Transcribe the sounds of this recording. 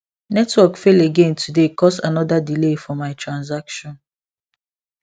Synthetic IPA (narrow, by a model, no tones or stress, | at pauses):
nɛtwɔkfeleɡẽntʰudekɔsanɔdadilefɔmaɪtɹãnzakʃɔ̃n